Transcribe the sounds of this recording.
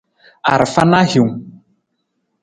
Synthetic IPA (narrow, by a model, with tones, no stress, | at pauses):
a˨ɾfa˦na˦hu˨ŋ